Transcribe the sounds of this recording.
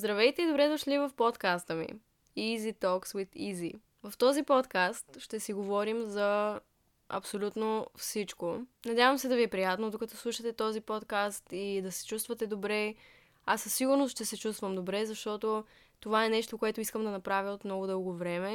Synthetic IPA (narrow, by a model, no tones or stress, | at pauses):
zd̪ɾɐvɛjt̪ɛid̪obɾɛd̪oʃlivɐfpot̪kast̪əmḭ | izit̪ɔkswit̪izi | vɐft̪ɔzipɔt̪kast̪ʃt̪ɛsiɡovɔɾimzɐ | ɐ̰psolʲut̪nofsit͡ʃkonɐdʲjavəmsɛd̪ɐviɛpɾijat̪nod̪okɐt̪ɔslˠuʃət̪ɛt̪ɔzipɔt̪kast̪id̪ɐsɛ̥t͡ʃust̪vɐt̪ɛd̪obɾɛ | asːəsːiɡʊɾnosʃt̪ɛsɛt͡ʃust̪vəmd̪obɾɛzɐʃt̪ɔt̪o | t̪ovaɛnɛʃt̪okoɛt̪ʊiskəmd̪ɐnɐpɾavʲjəot̪mnɔɡod̪ɤlˠɡovɾɛmɛ